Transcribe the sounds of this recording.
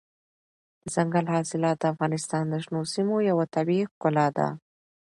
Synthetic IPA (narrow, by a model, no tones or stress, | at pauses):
d̪̥əzaŋɡalhɑsɪlɑt̪̚d̪əafɣɑnɪst̪ɑnd̪əʒnosimojawat̪abixkʊlɑd̪a̰